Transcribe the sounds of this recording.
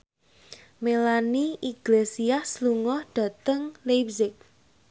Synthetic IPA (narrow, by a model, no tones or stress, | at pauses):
melaniʔiɡ̥lesiahsluŋɔhɖ̥a̤t̪əŋlepsɪk̚